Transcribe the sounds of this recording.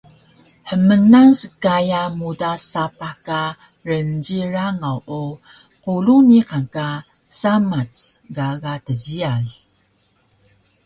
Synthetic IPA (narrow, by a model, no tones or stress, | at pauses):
ħəmənaŋsəkajamudasapaka | rənɟiɾaŋawʔu | quluniqaŋka | samat͡sɡaɡatəziaɮ